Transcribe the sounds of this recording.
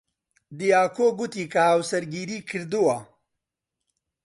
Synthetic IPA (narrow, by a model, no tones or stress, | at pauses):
d̪ijaːkoːɡut̪iːkahawsɐɾɡiːɾiːkʰɨɾd̪uwa